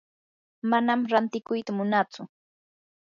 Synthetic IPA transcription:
manamɾant̪ɪkʊjt̪amʊnat͡sʊ

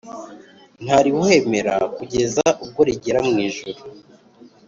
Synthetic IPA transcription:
n̥haɾiwhe̞me̞ɾa̰kuɟe̞zaʔub̚ɡo̞ɾiɟe̞ɾamŋiːʒuɾu

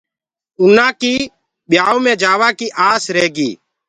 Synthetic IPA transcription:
ʊnãːkiː | ɓɪjaːoːmẽːd͡ʒaːʋaːkiːʔaːsɾeːɡḭː

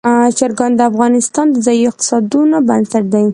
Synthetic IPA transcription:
t͡ʃaɾɡɑnd̪əafɣɑnɪst̪ɑnd̪əzɑjiɪq̚t̪ɪ̥sɑd̪unobansaʈ̚d̪aj

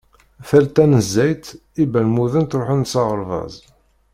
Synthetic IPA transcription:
θælt̪ænəzːæjt̪ | ibælmuðənt̪ɾoħənsɑʁəɾˤvɑ̰zˤ

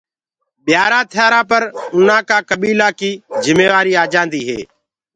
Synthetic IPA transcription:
ɓjaːɾãːt̪ʰjaːɾãːpəɾʊn̤ãːkaːkəɓiːlaːkiːzɪmeːʋaːɾiːaːd͡ʒãːnd̪iːɦḛː

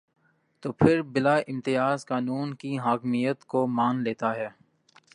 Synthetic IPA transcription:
t̪oːpʰɪɾbɪlaːʔɪ̃mt̪ɪjaːzkaːnuːnkiɦaːkmijət̪komaːnleːt̪aɦɛː

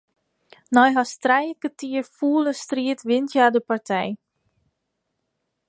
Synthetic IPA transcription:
nɔjɦastrɛjəkətiərfuːləstriətʰʋɪntjaːdəpartʰɛj

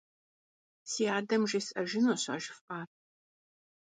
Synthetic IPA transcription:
siːaːdɐmʒesʔɐʒɪnoɕɐ̰ʒɪfʔaːt̚

